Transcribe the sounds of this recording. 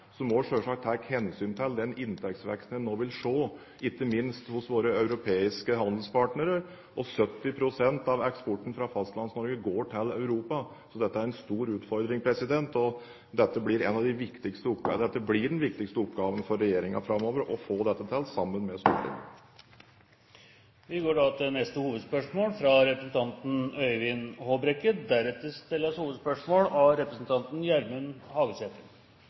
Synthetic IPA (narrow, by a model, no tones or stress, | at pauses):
sɔmɔʂøːʂɑk̚t̪ʰækhɛnsyːnt̪ʰɪld̪ɛnɪnt̪ʰɛk̚t̪sʋɛ̰kst̪n̩noːʋɪlʂoː | ʔɪt̪ːəmɪnst̪hʊsʋoːɾəœʉɾʊpʰeːɪskəɦɑnd̪l̩spɑʈnəɾəɾ | ʔɔsœt̪ːɪpʰɾʊsɛnt̪ɑʋɛkspɔʈːn̩fɾɑfɑst̪lɑnsnɔɾɡəɡoːʈʰɪlœʉɾuːpɑ | sɔd̪ɛt̪ːəæɾɛnst̪uːɾʉːt̪fɔɾd̪ɾɪŋpʰɾɛsɪd̪ɛnt̪ɔ | d̪ɛt̪ːəblɪɾɛ̰nɑʋd̪ɪʋɪkt̪ɪkst̪əʊpːd̪ɛt̪ːəblɪɖɛnʋɪk̚t̪ɪkst̪əʊpɡɑːʋənfɔɾɛjeːɾɪŋɑ̰fɾɑmːoːʋəɾɔfoːd̪ɛt̪ːət̪ʰɛlːsɑmːənmɛst̪ṵːlɪ̰ | ʋɪɡoːɖɑt̪ɛnɛst̪əhuːʋəd̪spœʂmoːlfɾɑɾɛpɾəsn̩t̪ʰɑnt̪n̩œʏʋɪnhoːbɾɛkːəd̪æɾɛt̪ːəst̪ɪlːəshuːʋəd̪spœʂmoːlɑɾɛpɾəsn̩t̪ʰɑnt̪n̩jæɾmʉnhɑːɡəseːt̪ən